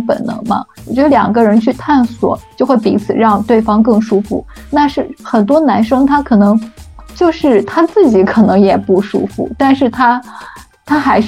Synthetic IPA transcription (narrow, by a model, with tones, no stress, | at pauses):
pə̰˨˩nnɤ̰˧˥ŋmɐ̰˧wɔ˨˩t͡ɕɥɛ˧˥d̪ə˧ljɑ̰˨˩ŋɡə˦˥ɻə˧˥nt͡ɕʰy˥˧t̪ʰa˥˩nswɔ̰˨˩˦t͡ɕjo˥˧ʊxwe˥˩ɪpḭ˧˥t͡sʰɹ̩˨˩ɻɑ˥˧ŋt̪we˥˩ɪfɑ˥ŋkɤ˥˩ŋʂu˥fṵ˥˩ | na˥˧ʂɻ̩˥˩xə˨˩nt̪wɔ˥na˧˥nʂɤ˥ŋt̪ʰa˥kʰɤ˨˩nɤ˧˥ŋt͡ɕjo˥˧ʊʂɻ̩˥˩t̪ʰa˥t͡sɹ̩˥˩t͡ɕi˧˥kʰɤ˨˩nɤ˧˥ŋjɛ˨˩pu˥˩ʂṵ˥fṵ˥˩t̪a˥˧nʂɻ̩˥˩t̪ʰa˥ | t̪ʰa˥xa˧˥ɪʂ